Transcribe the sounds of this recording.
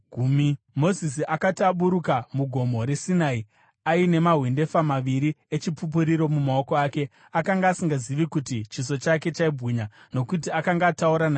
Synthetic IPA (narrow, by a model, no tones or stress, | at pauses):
ɡʱumi | mo̞zisiʔakatiaɓuɾukamuɡʱo̞mo̞ɾe̞sinai | aine̞maɦwinde̞famaʋiɾiet͡ʃipup̬uɾiɾo̞mumao̞koaːke̞ | akaŋɡaːsiŋɡaziʋikutit͡ʃiso̞t͡ʃake̞t͡ʃaibʱɣiɲano̞kutiakaŋɡaːtauɾana